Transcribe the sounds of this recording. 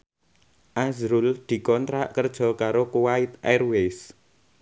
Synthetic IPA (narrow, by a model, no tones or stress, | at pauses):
ʔazɾuld̪̥i̤kɔnt̪ɾaʔkərd̥ʒ̥ɔ̤kaɾokuwaɪt̪̚arwes